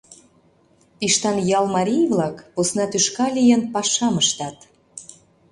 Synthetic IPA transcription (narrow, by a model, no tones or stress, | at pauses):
piʃt̪ɑnjɑlˠmɑɾʲijvlɑkposnɑt̪yʃkɑlʲijənpɑʃɑməʃt̪ɑt̪